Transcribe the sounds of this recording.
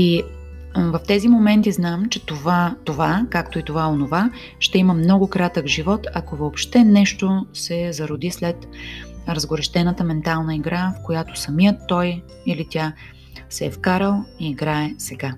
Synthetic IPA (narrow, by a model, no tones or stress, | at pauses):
i | vɐft̪ɛzimomɛnt̪iznamt͡ʃɛt̪ovat̪ovakakt̪oit̪ovaonova | ʃt̪ɛiməmnɔɡʊkɾat̪əkʒivɔt̪ɐkovoːpʃt̪ɛnɛʃt̪osɛzɐɾʊd̪islɛt̪ɾəzɡoɾɛʃt̪ɛnət̪əmɛnt̪alˠnəiɡɾafkojat̪o̥sɐmiət̪ːɔj | ilit̪ʲja | sɛːfkaɾəlˠiːɡɾaɛsɛɡa